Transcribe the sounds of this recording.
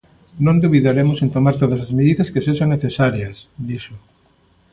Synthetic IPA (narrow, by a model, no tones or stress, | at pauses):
nõnd̪uβiðaɾemʊsent̪omaɾt̪oðɐsɐzmeðiðɐskesesoŋnːeθesaɾjɐsd̪iʃo